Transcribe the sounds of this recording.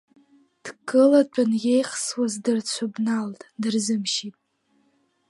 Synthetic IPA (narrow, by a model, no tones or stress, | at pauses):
d̥kʰʼɨlat͡ʃʷʼʊnje̞jχswazdɨrt͡ɕʷʰʊbnaltʼdɨrzɨmʃipʼ